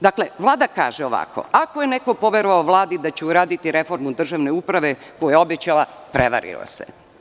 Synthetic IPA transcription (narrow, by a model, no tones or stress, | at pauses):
d̪akle̞ʋlˠaːd̪aka̰ːʒeoʋa̰ko̰akojeneko̞po̞ʋeɾoʋaoʋlˠaːd̪id̪at͡ɕɛuɾaːd̪it̪iɾe̞fo̞ɾmud̪r̩ʒaʋneupɾaʋe̞ | kojeo̞bet͡ɕalˠa | pɾeʋa̰ɾḭlo̰sḛ